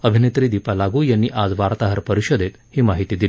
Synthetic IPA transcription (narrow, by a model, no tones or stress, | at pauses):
əbʱinet̪ɾiːd̪ipalaɡuːjanːiːʔad͡zʋaɾt̪aɦəɾpəɾiɕod̪ʱet̪hiːmaɦit̪iːd̪ili